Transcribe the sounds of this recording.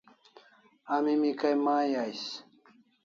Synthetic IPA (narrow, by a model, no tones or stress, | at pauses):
amimikajmaːjajɕ